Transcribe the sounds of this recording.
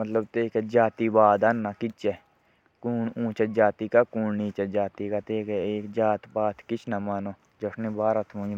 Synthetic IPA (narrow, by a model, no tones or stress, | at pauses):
mət̪ləbt̪eːkɛd͡ʒaːt̪iːbaːd̪anːakɪt͡ʃe | kuːnũːt͡ʃed͡ʒaːt̪iːkakuːnniːt͡ʃəd͡ʒaːt̪ikaːt̪eːkːeːkd͡ʒaːt̪baːt̪kɪt͡ʃʰnamaːnoː | d͡ʒəʂʰnĩːbaːɾat̪ʰmõ